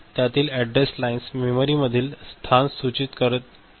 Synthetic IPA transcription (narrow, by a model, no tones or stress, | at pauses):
t̪jat̪iːlɛɖɾeslainsmemoɾiməd̪ʱiːlst̪ʰansut͡ɕit̪kəɾət̪̚